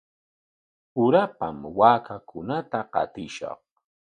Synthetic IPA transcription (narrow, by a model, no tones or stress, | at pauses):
ʊɾapa̰mwaːkakʊnat̪aqɑ̰t̪ɪʃɑ̰χ